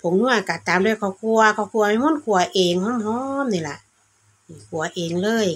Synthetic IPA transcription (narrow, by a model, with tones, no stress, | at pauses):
pʰo˨˦mnu˧˩ɐ˨ka˧˩t̪aː˨˦mdjkʰa˧˩wkʰu˧ɐ˧kʰa˧˩wkʰu˧ɐma˧jmɔː˧˥˨nkʰu˧˦ɐʔeː˨˧ŋhɔː˧˥˨mɦɔː˧˥˦mni˧˩la˧˩˨ʔ | kʰu˨˩ɐ˦ʔeː˨ŋlɤː˧˩˨j